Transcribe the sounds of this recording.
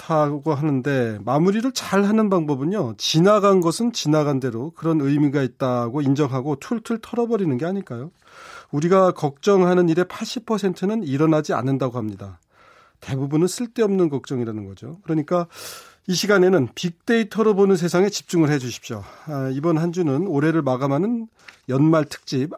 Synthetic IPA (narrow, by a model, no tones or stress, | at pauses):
tʰaɡoɦanɯnde̞mamuɾiɾɯɭt͡ɕaɭɦanɯnbaŋbʌbɯɲjot͡ɕinaɡanɡʌsʰɯnt͡ɕinaɡande̞ɾokɯɾʌnɯjmiɡait̚t͈aɡoind͡ʑʌŋɦaɡotʰuɭtʰɯɭtʰʌɾʌbʌɾinɯnɡe̞aɲiɭk͈ajo | uɾiɡakʌk̚t͡ɕ͈ʌŋɦanɯniɾe̞pʰaɭɕ͈ipʰʌsʰe̞ntʰɯnɯniɾʌnad͡ʑia̰nːɯndaɡohamɲida̰ | te̞bubunɯns͈ʰɯɭt͈e̞ʌmnɯnkʌk̚t͡ɕ͈ʌŋiɾanɯnɡʌd͡ʑokɯɾʌɲik͈a | iɕʰiɡane̞nɯnpik̚t͈e̞itʰʌɾʌbonɯns̬ʰe̞sʰaŋe̞t͡ɕi̥p̚t͡ɕ͈uŋɯɭɦe̞d͡ʑuɕʰi̥p̚ɕ͈o̰ibʌnɦand͡ʑunɯnoɾe̞ɾɯɭmaɡamɦanɯn | jʌnmaɭtʰɯ̥k̚t͡ɕ͈ip̚